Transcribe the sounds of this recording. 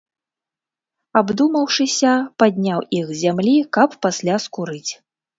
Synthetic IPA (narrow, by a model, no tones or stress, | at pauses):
abd̪umɐwʂɨsʲɐpad̪ʲnʲawixzʲamlʲikɐpːasʲlʲaskuɾɨt͡sʲ